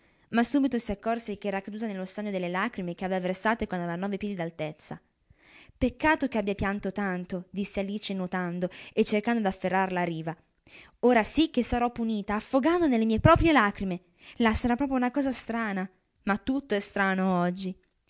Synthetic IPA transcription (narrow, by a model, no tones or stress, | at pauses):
masːuːbit̪osiakːɔrsek̟eɛːɾakːad̪uːt̪anelːost̪aɲːod̪elːelaːkɾimek̟eavevaversaːt̪ekwand̪avevanːɔːvepjɛd̪id̪alt̪et̪sːa̰ | pekːaːt̪ok̟eabjapjant̪ot̪ant̪od̪isːealiːt͡ʃenot̪and̪oet͡ʃːerkand̪od̪afːerːaɾlaɾiːva | oːɾasikːesaɾɔpːuniːt̪aːfːoɡand̪onelːemiːepɾɔːpɾjelaːkɾime | lasaɾapːɾɔːpɾjounakɔːzast̪ɾaːna | mat̪ːut̪ːoɛst̪ɾaːnoɔd͡ʒːi